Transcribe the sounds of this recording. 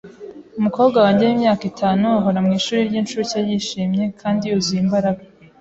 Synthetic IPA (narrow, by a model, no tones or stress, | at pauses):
umuko̞ːbɡawaɲajimɲaːkitʰaːnuaɦoɾamŋiːʃuːɾiɾɟinʃuɾucajiʃiːmɲe̞kʰaːndijuziimbaɾaɡa